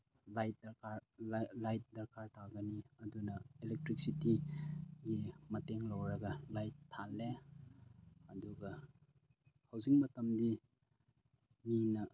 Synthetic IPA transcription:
lajt̚dɐɾkaɾlajt̚dɐɾkaɾtʰaɡɐniɐdunɐelek̚tɾik̚sitiɡimɐteŋlɐwɾɐɡɐlajtʰːale | ɐduɡɐ | hɐwziŋmɐtɐmdi | minɐ

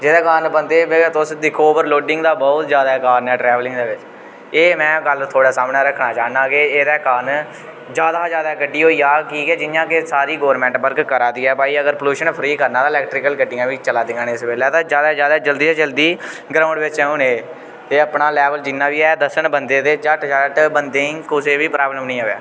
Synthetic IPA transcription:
d͡ʒeːd̪aːkaːnbənd̪eːbet̪ʊsɖɪkʰoːbəɾloːɖɪ̃ŋɡd̪aːbɔːʊt̪d͡ʒjaːd̪aːɛkaːnɛːʈɾɛːʋlɪ̃ŋɡd̪eːʋɪt͡ʃ | eːmɛ̃ːɡəlt̪ʰoːɽaːsaːmɳɛːɾəkʰnaːt͡ʃaːnaːkeːeːd̪ɛːkaːn | d͡ʒjaːd̪aːd͡ʒjaːd̪aːkəɖiːɦoːiːaːkiːɡɛːd͡ʒɪnjãːkesaːɾiːɡoːɾmɛ̃ːɳʈbəɾɡkəɾaːd̪iːɛːbaːiːəɡəɾpəluːʃənpʰəɾiːkəɾnãːd̪aːɪlɛːk̚ʈɾɪːkəlkəɖɪ̃ŋãːʋiːt͡ʃəlaːd̪ɪŋɡaːnːɪsbeːlɛːt̪ãːd͡ʒjaːd̪aːd͡ʒjaːd̪aːd͡ʒəld̪iːɛːd͡ʒəld̪iː | ɡɾãːʊ̃ɳɖʋɪt͡ʃɛːũneː | t̪eːəpɳaːlɛːʋəld͡ʒɪnːãːʋiːɛːd̪əsəɳbənd̪eːt̪eːd͡ʒəʈd͡ʒəʈbənd̪ẽːkʊseːʋiːpɾaːbləmnəĩːɦoːʋa̰ː

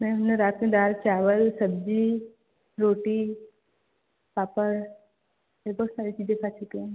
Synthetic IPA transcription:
mɛ̃ːʊneɾaːt̪mẽd̪aːɾt͡ʃaːʋəlsɐbd͡ʒi | ɾoːʈi | paːpəɾ | ebʱɔːt̪saːɾit͡ʃiːzẽkʰaːt͡ʃʊkeũ

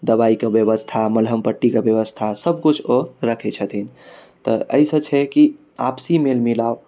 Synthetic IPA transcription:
d̪əbaikebjəʋəst̪ʰaməlɦəmpəʈːikebjəʋəst̪ʰasəb̚ʱkut͡ʃʰoɾəkʰɛt͡ʃʰət̪ʰin | t̪ə̰ʔə̰jsə̃t͡ʃʰɛki | apsimelmilaw

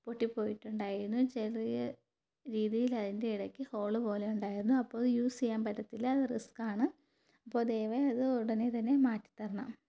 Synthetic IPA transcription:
poʈːipːo̞ːjiʈːuɳɖaːjiɾunːut͡ɕelijɐ | ɾiːðijilɐðinde̞iɽɐkʲːɨho̞ːɭɨbo̞ːlejuɳɖaːjiɾunːuɐpːo̞ːjuːsijaːmpɐɾɐt̪ːilɐɐðɨriskaːɳɨ | ɐpːo̞ːd̪ejːʋɐɐðɨoɽɐnet̪ɐnːe̞maːtːi̥t̪ːɐrɐnːa̰m

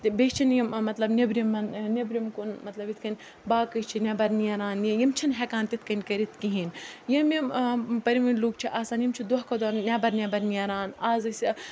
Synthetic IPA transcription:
t̪bet͡ʃʰinjimmɐt̪lɐbnʲebɾʲimːɐnnʲebɾʲimkunmɐt̪lɐbit̪ʰkɐnʲ | baːkɨt͡ʃʰinʲebɐɾniɐɾaːnjijimt͡ʃʰɐnɦɛkaːnt̪it̪ʰkɐnʲkɐɾit̪̚ʰkiɦinjɐmʲɐmpɐɾimɐnʲluːk̚t͡ʃʰiʔaːsaːnjimt͡ʃʰid̪oɦkɐd̪oːnnʲɛbɐɾnʲebɐɾniɐɾaːnaːzɨsʲ

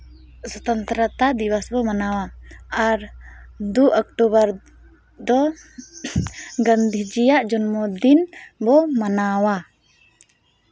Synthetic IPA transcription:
sɔt̪ant̪ɾat̪ad̪iwasbɔmanawaaɾd̪uʔɔk̚ʈubaɾ | d̪ɔ | ɡand̪ʱid͡ʒijaʔd͡ʒɔnmɔd̪inbɔmanawa

